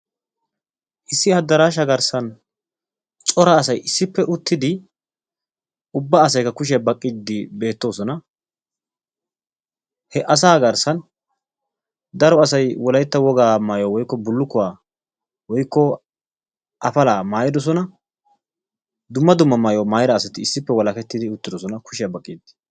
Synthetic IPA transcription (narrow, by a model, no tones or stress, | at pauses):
ʔɪsːɪɐd̪ːɐɾaːʃ̬ɐɡɐɾsɐn | t͡sʼɔɾɐːsɐjɪsːɪpːɛʔʊt̪ʰːɪd̪ɪ | ʊbːaːsɐjkːɐkʊʃ̬ɛbɐkʼːɪd̪ːɪbe̞ːt̪ːo̞ːsɔnɐ | hɛʔɐs̬aːɡɐɾsɐn | d̪ɐɾɔɐsɐjwɔlɐjt̪ːɐwɔɡaːmaːjɔwɔjkːɔbʊlːʊkːʊwaː | wɔjkːɔ | ʔɐfɐlaːmaːjɪd̪ɔs̬ɔnɐ | d̪ʊmːɐd̪ʊmːɐmaːjoːmaːjɪɾɐːsɐt̪ɪɪsːɪpːɛwɔlɐkɛt̪ːɪd̪ɪʊt̪ːɪd̪ɔsɔnɐkʊʃɪjɐbɐkʼːɪd̪ɪ̥